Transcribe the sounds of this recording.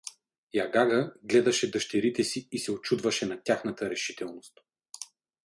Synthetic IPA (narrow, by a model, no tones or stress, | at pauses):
jaɡaɡəɡlɛd̪ɐʃɛd̪əʃt̪ɛɾit̪ɛsiisɛot͡ʃud̪vɐʃɛnɐt̪ʲaxnɐt̪əɾɛʃit̪ɛlˠnost̪